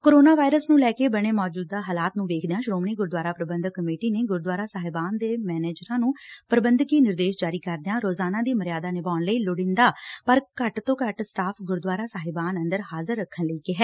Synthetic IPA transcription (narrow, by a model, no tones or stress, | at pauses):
koːɾoːnaːʋaːɪɾəsnũːlɛːkeːbəɽ̃eːmɔːd͡ʒuːd̪aːɦaːlaːt̪nũːʋeːkʰd̪ejãːʃɾoːmniːɡʊɾd̪waːɾaːpɾəbə̃nd̪kːəmeːʈiːneːɡʊɾd̪ʊʋaːɾaːsaːɦɪbaːnd̪eːmɛːneːd͡ʒɾãːnũːpəɾəbənd̪kiːnɪɾd̪eːʃd͡ʒaːɾiːkəɾd̪eãːɾoːzaːnãːd̪iːməɾɪjaːd̪aːnɪbaːnləiːlʊɽɪ̃nd̪aːpəɾkəʈt̪õːkəʈsʈaːpʰɡʊɾd̪ʋaːɾaːsaːɦɪbaːnənd̪əɾɦaːzəɾːəkʰːənləiːkɪɦɛː